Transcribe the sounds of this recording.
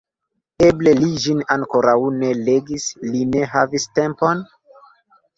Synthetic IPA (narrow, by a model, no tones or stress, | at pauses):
e̞ble̞lid͡ʒinaŋko̞ɾawne̞le̞ɡisline̞ɦaviste̞mpo̞n